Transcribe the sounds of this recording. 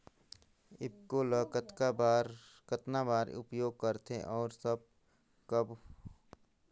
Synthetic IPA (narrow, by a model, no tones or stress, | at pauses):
ɪbkoləːkət̪kabaːɾkət̪nabaːɾʊ̰pjoːɡ̚kəɾt̪ʰeʔɔːɾsɐb̚ | kɐb